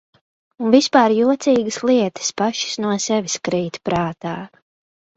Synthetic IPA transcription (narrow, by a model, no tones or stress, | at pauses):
unvispaːɾjuɔt̪siːɡɨsliɛt̪ə̥spaʃi̥snuɔsɛʋʲiskɾiːt̪pɾaːt̪aː